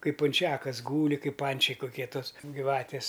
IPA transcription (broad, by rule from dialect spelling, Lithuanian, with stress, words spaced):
ˈkɐɪp pʊnʲˈt͡ʃʲæːkɐs ˈɡuːlʲɪ ˈkɐɪp ˈpɐnʲt͡ʃʲɛɪ kʊˈkʲiɛ ˈtoːs ɡʲiːˈʋɑːtʲɪs